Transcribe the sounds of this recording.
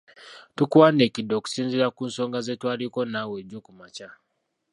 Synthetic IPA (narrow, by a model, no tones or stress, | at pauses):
tukwane̞ːcido̞ku̥siːnziɾakuːnso̞ːŋɡazetwaːliko̞naːweɟokumaca